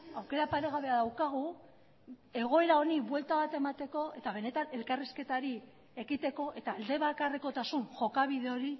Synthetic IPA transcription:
awke̞ɾapaɾeɣ̞aβe̞aðawkaɣ̞u | e̞ɣ̞o̞e̞ɾao̞niβwe̞lt̪aβat̪e̞mat̪e̞ko̞e̞t̪aβ̞e̞ne̞t̪ane̞lkariske̞t̪aɾi | e̞ɣit̪e̞ko̞ʔe̞t̪aːld̪e̞βakareko̞t̪asunʝo̞kaβiðe̞o̞ɾi

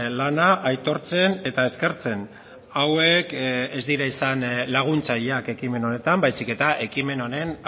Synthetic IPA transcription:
lanaʔajt̪o̞ɾt͡se̞ne̞t̪ae̞ske̞ɾt͡se̞n | awe̞kezd̪iɾaisanlaɣ̞unt͡saʎake̞kime̞no̞ne̞t̪ambajsike̞t̪aʔe̞kime̞no̞ne̞n

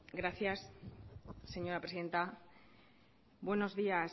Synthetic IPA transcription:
ɡɾaθjasː | e̞ɲo̞ɾapɾesiðe̞nt̪a | bwe̞no̞zðia

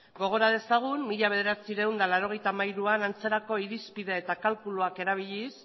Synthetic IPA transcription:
ɡo̞ɣ̞o̞ɾað̞e̞saɣ̞unmiʎaβ̞e̞ð̞e̞ɾat͡siɾe̞wnd̪alaɾo̞ɣ̞e̞jt̪amajɾuanant͡se̞ɾako̞iɾispiðe̞et̪akalkuluake̞ɾaβ̞iʎis

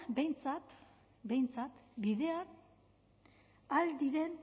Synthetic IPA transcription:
bejnt͡sat̪ | be̞jnt͡sat̪biðe̞a | ald̪iɾe̞n

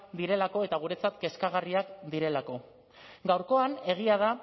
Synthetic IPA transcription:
d̪iɾe̞lako̞et̪aɣ̞uɾe̞t͡sat̪ke̞skaɣ̞ariakd̪iɾe̞lako̞ | ɡawɾko̞ane̞ɣ̞iað̞a

